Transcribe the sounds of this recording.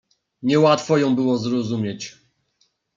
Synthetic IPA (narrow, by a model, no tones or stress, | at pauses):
ɲɛwat̪fɔjɔ̃w̃bɘwɔzɾɔzumʲjɛt͡ɕ